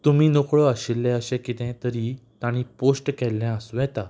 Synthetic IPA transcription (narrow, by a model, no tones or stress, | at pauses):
t̪umiːnokɭoəɕilːɛ̃əɕɛ̃kit̪ɛ̃t̪əɾit̪aɽ̃ĩposʈkɛlːɛ̃əsʋɛ̃t̪a